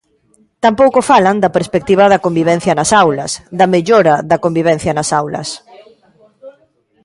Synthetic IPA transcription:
t̪ampowkofalɐnd̪ɐpeɾspek̚t̪iβ̞ɐðɐkombiβɛn̟θjɐnɐsawlɐsd̪ɐmeʎoɾɐðɐkombiβ̞ɛn̟θjɐnɐsawlɐ̰s

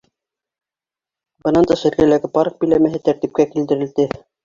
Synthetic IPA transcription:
bɤ̆nɑnt̪ɑʃɘ̆ɾkælæɡɘpɑɾk̚bɘ̆jlæmæɦɘt̪æɾt̪ip̚kækild̪ɘ̆ɾɘ̆ld̪ɘ

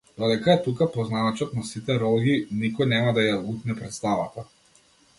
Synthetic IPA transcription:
d̪̥ɔd̪ɛkaɛt̪ukapɔznaʋat͡ʃɔt̪nasit̪ɛɾɔlˠɡinikɔjnɛmad̪ajauknɛpɾɛt̪st̪avat̪a

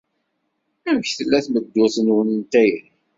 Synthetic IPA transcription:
æmçθəlːæθməd̪ːʊθənwnint̪æjin

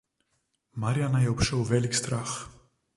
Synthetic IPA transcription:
maɾianajɛɔpʃɛwvɛlikst̪ɾax

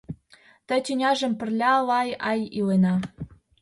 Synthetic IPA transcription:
t̪ə̆t̪ʲynʲɑʒə̆mpɘ̆rlʲɑlɑjɑjilenɑ

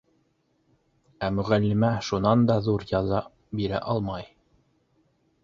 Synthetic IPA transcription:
æmɵ̆ʁælːɘ̆mæʃunɑnd̪ɑðuɾjɑðɑ | biɾæ̰ʔɑlˠmɑj

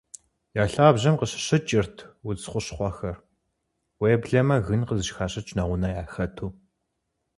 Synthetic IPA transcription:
jaːɬaːbʑɐmqəɕɪ̥ɕɨt͡ʃʼɪrtʰwʊt͡sχʷʊɕχʷɑxɐr | wejɛbɮɐmɐɣɨnqəzɨʃxaːɕɐt͡ʃʼnɐʁʷʊnɐjaːxɐtʰuː

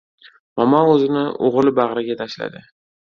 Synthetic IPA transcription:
mamaɵzɪnɪʔo̰ʁlˠɪbaʁɾaɡʲat̪ʰaʃla̰d̪ɪ

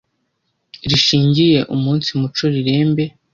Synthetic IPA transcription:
ɾiʃiːɲɟije̞ʔumuːnsimut͡ʃoɾiɾe̞ːmbe̞

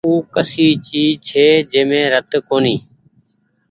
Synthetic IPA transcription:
uːkəsiːt͡ʃiːt͡ʃʰeːd͡ʒeːmẽːɾət̪koːniː

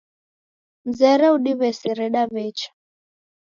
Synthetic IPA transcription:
m̩zɛɾɛuɗiβɛsɛɾɛɗaβɛt͡ʃḁ

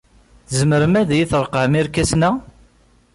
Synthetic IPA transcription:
zəməɾəmæðjiθɾˤəqːʕəmiɾkæsnæ

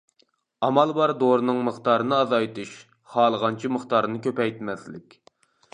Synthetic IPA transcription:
ɑmɑlˠbɑɾd̪oɾɨnɨŋməχt̪ɑːɾɨnɨɑzɑjt̪ʰɨʃ | hɑːlˠəʁɑnt͡ʃʰiməχt̪ɑɾɨnɨkʲøpɛjt̪mɛslɪkʲ

